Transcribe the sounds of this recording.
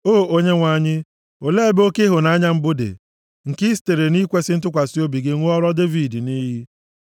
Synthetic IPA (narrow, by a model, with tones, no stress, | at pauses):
oː˦˨o˦ɲe˦ŋʷa˨˦˨ɲɪ˦ | o˨le˦bo˦ke˦ɦʊ˨na˨˦ɲa˦m̩˦bʊ˦dḛ˨ | ŋ̩˨ki˦s̬te˨ɾe˨ni˦kʷe˦sɪ˦n̩˦tʊ˦kʷa˨si˦o˦bi˨ɡe˦ŋʷʊ˦ɔ˦ɾɔ˦de˦vi˨di˨niː˦ɦi˦